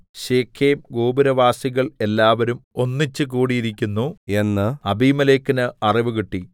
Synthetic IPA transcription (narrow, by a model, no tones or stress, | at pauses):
ɕeːkʰeːmɡoːbuɾɐʋaːsiɣɐɭe̞lːaːʋɐɾumo̞nːit͡ɕːɨk̬uːɽijiɾikʲːunːue̞nːɨɐbʱiːmɐleːkːinɨɐriʋukiʈːi